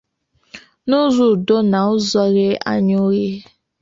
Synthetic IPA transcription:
nu˦zu˨do˦na˨ʊ˦zɔ˦ɣe˦a̰˦ɲo˦ɾje˦

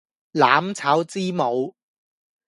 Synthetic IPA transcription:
laː˨˥mt͡sʰaː˨˥wt͡siː˥mo˨˧w

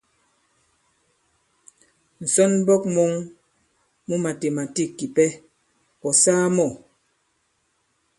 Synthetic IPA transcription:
n̩˨sɔ˦nbɔ˦k̚mo˦ŋ | mu˦ma˨te˨ma˨ti˦˨kːi˨pɛ˦ | pɔ˨saː˦mɔ˦˨

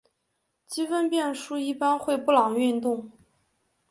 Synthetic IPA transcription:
t͡ɕi˥fə˥npjɛ˥˧nʂu˥i˥˩pa˥nxwe˥˧ɪpu˥˩lɑ˨˩ŋy˥˧nt̪ʊ˥˩ŋ

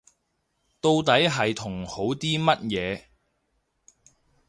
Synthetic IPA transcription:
t̪o˧wt̪ɐ˨˥jɦɐ˨jt̪ʰʊ˨˩ŋho˨˥wt̪iː˥mɐ˥t̚jɛː˨˧

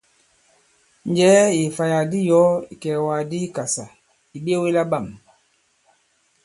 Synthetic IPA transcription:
nd͡ʒɛ˨˦ji˨fa˨ja˨di˦jɔ˨˦i˨kɛ˨wa˨di˦ka˨sa˨ | i˨be˦wi˦la˦ɓa˦˨m

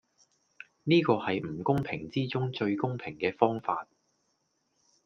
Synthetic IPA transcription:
niː˥kɔː˧hɐ˨jm̩˨˩kʊ˥ŋpʰɪ˨˩ŋt͡siː˥t͡sʊ˥ŋt͡sɵ˧ɥkʊ˥ŋpʰɪ˨˩ŋkɛː˧fɔː˥ŋfaː˧t̚

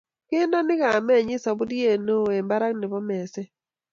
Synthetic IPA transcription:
kɪ˦ndɔ˦nɪ˦ka˨mɛ˦˨ɲɪ˦sa˨bu˦di˦je˦˨no˦˨e˨mba˦ɾa˦ŋnɪ˨bɔ˦mɛ˨sɛ˦

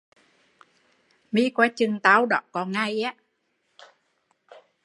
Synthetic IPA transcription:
mi˧˥kwaː˧˦t͡ɕɨ˨˩ŋt̪aː˨˧˦wɗɔ˧˨˩kɔ˨˦ŋa˧ja˨˦

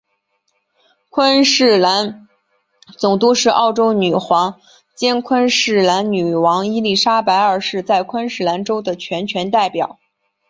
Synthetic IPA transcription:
kʰwa˥nʂɻ̩˥˩la˧˥n | t͡sʊ˨˩ŋt̪u˥˧ʂɻ̩˥˧ʔɑ˥˩ʊʈ͡ʂo˥ʊny˨˩xwɑ˧˥ŋ | t͡ɕjɛ˥nkʰwa˥nʂɻ̩˥˩la˧˥nny˨˩wɑ˧˥ŋi˥li˥˩ʂa˥pa˧˥ɪə˞˨˩ʂɻ̩˥˧t͡sa˥˩ɪkʰwa˥nʂɻ̩˥˩la˧˥nʈ͡ʂo˥ʊd̪ə˨t͡ɕʰɥɛ˧˥nt͡ɕʰɥɛ˧˥nt̪a˥˩ɪpjɑ˨˩˦ʊ

